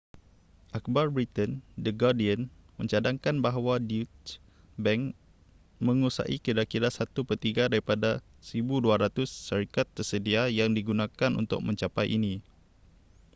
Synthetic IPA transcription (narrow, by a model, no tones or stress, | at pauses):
ʔak̚barbɾit̪əndəɡadiən | mə̃ɲt͡ʃadaŋkanbaɦwadiut | bɛŋ | mə̃ŋusa̰ʔikiɾakiɾasat̪upərt̪iɡadaɾipada | səɾibuduaɾat̪ʊsːaɾikat̪ːərsədiajaŋdiɡunãkanṵnt̪ʊ̰k̚mə̃ɲt͡ʃapajʔini